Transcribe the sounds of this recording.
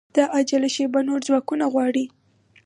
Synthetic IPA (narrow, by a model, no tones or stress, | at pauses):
d̪̥aʔad͡ʒalaʃebanoɾzwɑkunaɣwɑɽi